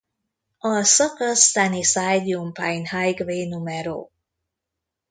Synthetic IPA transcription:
ɒsɔkɔst̪anisajd̪iumpajnhajɡvenumɛɾo̰

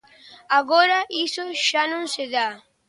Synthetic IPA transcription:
aɣoɾaʔisoʃanõnseða

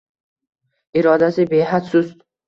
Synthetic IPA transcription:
ɪɾɒd̪asɪbejɦat̪sʊs

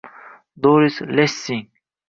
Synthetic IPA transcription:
d̪oːɾislesiŋ

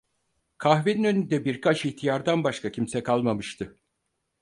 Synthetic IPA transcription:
kʰaxveninø̞nynd̪ɛbiɾkʰat͡ʃiht̪ʰijaɾd̪anbaʃkʰacʰimsɛkʰalˠmamɯʃt̪ʰɯ

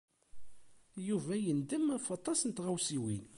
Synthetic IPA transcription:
juvæjənd̪əmæfɑt̪ˤːɑsnt̪ʁæwsiwin

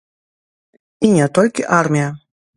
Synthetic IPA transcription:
iɲat̪ɔlʲkʲɪʔaɾmʲia

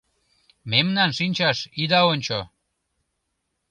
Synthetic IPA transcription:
memnɑnʃinʲt͡ɕɑʃid̪ɑonʲt͡ɕo

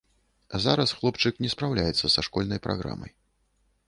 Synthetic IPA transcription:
zaɾɐsxlˠɔpt͡ʂɨknʲɛspɾawlʲajɛt̪sːɐsaʂkɔlʲnɐjpɾʔa̰ɣɾa̰mɐ̰j

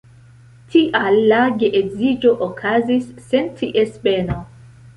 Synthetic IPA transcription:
tʰiʔalːaɡeʔeɡzid͡ʒo̞ʔokʰazisːentʰiʔespeno

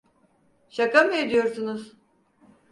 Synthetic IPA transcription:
ʃakamɯed̪ijo̞ɾsunuz̥

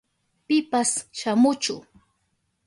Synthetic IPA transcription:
pɪpasʃamʊt͡ʃʊ̰

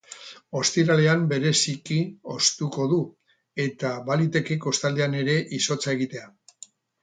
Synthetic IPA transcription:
o̞st̪iɾale̞ambe̞ɾe̞sikio̞st̪uko̞ðu | e̞t̪aβalit̪e̞keko̞st̪ald̪eane̞ɾe̞ʔiso̞t͡sae̞ɣ̞it̪e̞a

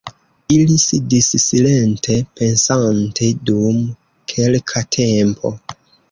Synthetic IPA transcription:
ilisidissile̞ntʰe̞pe̞nsantʰe̞dum | kʰe̞lkʰatʰe̞mpʰo̞̰

